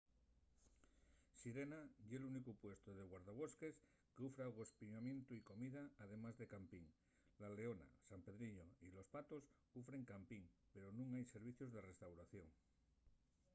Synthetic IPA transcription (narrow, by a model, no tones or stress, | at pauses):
siɾe̞naʝelunikupwe̞st̪oðeɣwaɾðaβ̞o̞ske̞s | keufɾaɣo̞spiɲamje̞nt̪uiko̞miðaːð̞e̞mazðe̞kampiŋ | lale̞ona̰sampe̞ðɾiʎoilo̞spat̪o̞s | ufɾe̞ŋkampiŋpe̞ɾonũŋajse̞ɾβ̞iθjozðe̞re̞st̪awɾaθjo̞ŋ